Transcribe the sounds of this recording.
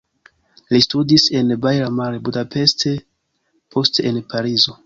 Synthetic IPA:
listudise̞nbajɾamaɾebudape̞stʰe̞ | pʰo̞steenpaɾizo̞

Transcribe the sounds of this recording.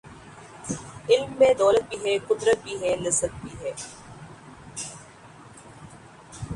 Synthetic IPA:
ɪlmːẽd̪ɔːlət̪̚biːɦɛːkʊd̪ɾət̪̚bʱiːɦɛːlɐsət̪̚bʱiːɦɛː

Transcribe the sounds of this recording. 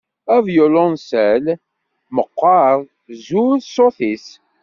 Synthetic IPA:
ævjʊlonsæl | məqːɑɾ | zuðsoθis

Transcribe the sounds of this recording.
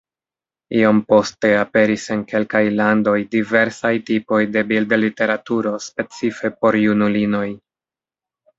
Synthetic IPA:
iompo̞ste̞ape̞ɾise̞nke̞lkajlando̞jdive̞ɾsajtipo̞jde̞bildlite̞ɾatuɾo̞spe̞t͡sife̞po̞ɾjunulino̞j

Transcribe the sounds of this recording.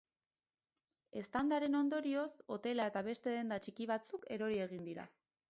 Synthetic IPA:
e̞st̪and̪aɾe̞no̞nd̪o̞ɾio̞so̞t̪e̞lae̞t̪aβe̞st̪e̞ðe̞nd̪at͡ʃikiβ̞at͡suke̞ɾo̞ɾie̞ɣ̞ind̪iɾa̰

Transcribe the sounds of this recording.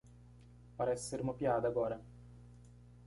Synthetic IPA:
paɾɛsːermopjaːd̪aɡɔːɾa

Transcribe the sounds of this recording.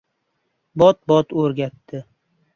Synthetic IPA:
bɒt̪̚bɒt̪ɵɾɡʲat̪ːɪ

